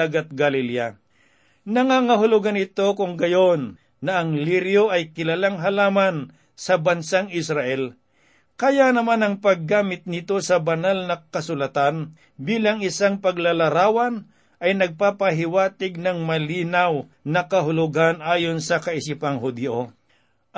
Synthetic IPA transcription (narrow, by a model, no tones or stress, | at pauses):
aɡɐt̪̚ɡɐlilja | nɐŋaːŋɐɦʊlʊɡanɪt̪o̞kʊŋɡɐjonː | ɐʔɐŋliɾjoʔɐjkɪlalaŋɦɐlaːman | sɐbɐnsaŋɪsɾaʔɛl | kɐjanɐmanɐŋpɐɡːaːmɪt̪̚nɪt̪o̞sɐbɐnalnɐkɐsʊlɐt̪an | biːlɐŋɪsaŋpɐɡlalɐɾaːwɐn | ʔɐjnɐɡ̚papɐɦɪwaːt̪ɪɡ̚nɐŋmɐliːnaw | nɐkɐɦʊlʊɡanʔaːjonsɐkɐɪsipaŋɦʊd̪jo